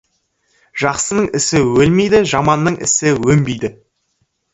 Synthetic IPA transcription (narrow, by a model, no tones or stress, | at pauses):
ʒ̥ɑqsənəɴɪsɪwɵlmejd̪ɪʒɑmɑnːəɴʔɪ̰sɪwɵmbejd̪ɪ